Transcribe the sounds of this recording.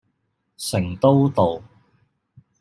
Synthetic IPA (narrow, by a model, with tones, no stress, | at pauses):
sɪ˨˩ŋt̪o˥wt̪o˨w